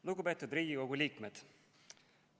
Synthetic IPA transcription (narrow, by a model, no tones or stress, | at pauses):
lukupe̞ːt̪ːˑud̪riːɡ̥iko̞ɡulʲiːkmed̪̥